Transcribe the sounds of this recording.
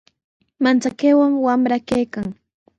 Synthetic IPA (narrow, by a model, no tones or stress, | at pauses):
mant͡sakewaŋwamɾakajkaŋ